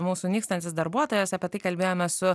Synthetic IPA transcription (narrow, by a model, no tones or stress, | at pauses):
muːsunʲiːkst̪ɐnʲt̪ʲɪsd̪ɐɾbuɔt̪oːjɛsɐpʲɛt̪ɐɪkɐlʲbʲeːjoːmʲɛssʊ